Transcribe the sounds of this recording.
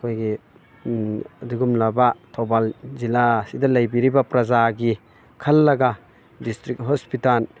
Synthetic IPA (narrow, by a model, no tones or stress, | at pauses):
kʰojɡi | ɐduɡumlabatʰɔbalzilasidɐlɐjbiɾibapɾɐzaɡi | kʰɐlːɐɡa | distɾik̚ɦɔspital